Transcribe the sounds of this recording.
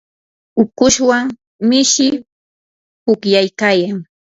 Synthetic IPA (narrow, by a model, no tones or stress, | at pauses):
ʊkʊʃwaŋ | mɪʃɪ | pʊkjajkaːjaŋ